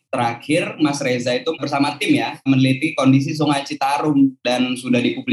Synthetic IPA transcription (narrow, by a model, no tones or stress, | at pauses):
t̪əɾakʰɪrmasrezait̪ubərsamat̪ɪmjamənlit̪ikɔndis̬is̬ɔŋat͡ʃit̪aɾʊmdansudahdipubli